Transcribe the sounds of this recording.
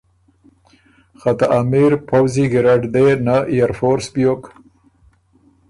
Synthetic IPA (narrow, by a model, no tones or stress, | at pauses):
xat̪aʔamiɾpawziɡɪɾaɖd̪enajaɾfoɾsbjok